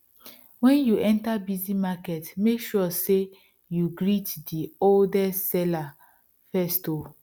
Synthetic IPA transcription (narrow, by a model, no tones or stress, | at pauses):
wɛ̃njuʔɛ̃ntabizimakɛtmekʃɔse | juɡɹitdioldɛsɛla | fɛsto